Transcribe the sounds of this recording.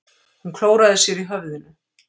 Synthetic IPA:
hunkʰloːwɾaðɪsjɛɾiɦœvðɪnʏ

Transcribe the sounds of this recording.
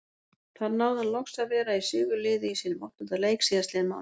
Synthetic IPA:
θaɾnaːwðalɔxsaðvɛːɾaisʏːɣʏlɪːðɪisiːnʏmɔ̰ht̪ʏnt̪aleːjksiːðast̪lɛːðma̰

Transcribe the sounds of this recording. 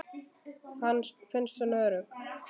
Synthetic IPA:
fansfɪnst̪ʏnœːɾʏk

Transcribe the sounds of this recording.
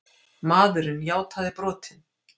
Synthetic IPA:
maːðʏɾɪnjaːwt̪aðɪpɾɔːt̪ʰɪn

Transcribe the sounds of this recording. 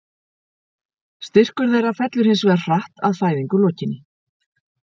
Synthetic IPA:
st̪ɪr̥kʏɾðejɾafɛt̪lʏɾ̥hɪnsvɛɾr̥aht̪aðfaːjðiŋkʏlɔːcɪnːɪ

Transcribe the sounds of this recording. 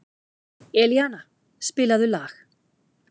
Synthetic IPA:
ɛljaːna | spɪːlaðʏlaːx

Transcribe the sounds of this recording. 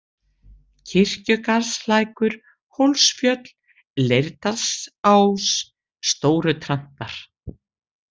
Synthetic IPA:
cʰɪr̥cʏkaɾslaːjkʏɾ̥ | howlsfjœt̪l̥ | lejɾt̪asawsː | t̪oːwɾʏt̪ʰɾan̥t̪aɾ̥

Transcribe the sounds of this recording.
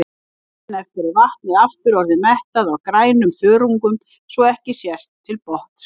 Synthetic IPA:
naɛft̪ɪɾɪɾvaht̪̚nɪðaft̪ʏɾɔɾðɪmɛht̪aðawkɾaːjnʏmθœːɾuŋkʏm | svɔɛhcɪsjɛst̪ʰːɪlpɔht̪s

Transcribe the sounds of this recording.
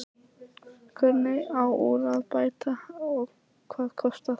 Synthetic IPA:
kʰœɾnɪawṵðaðpaːjt̪aɔɣ | kʰvaːðkʰɔst̪a

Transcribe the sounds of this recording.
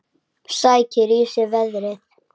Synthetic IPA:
saːjcʰɪɾiːsɪɾvɛðɾɪθ

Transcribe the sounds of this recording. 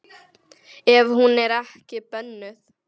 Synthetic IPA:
ɛvhunɛɾahkɪpœnːʏθ

